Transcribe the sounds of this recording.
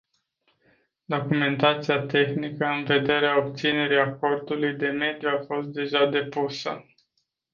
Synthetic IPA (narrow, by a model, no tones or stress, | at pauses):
d̪o̞kume̞nt̪at̪siat̪e̞xnikəɨnve̞d̪e̞ɾeao̞pt̪sine̞ɾiako̞rd̪ulujd̪e̞me̞d̪juafo̞st̪̚d̪e̞ʒad̪e̞pusə̰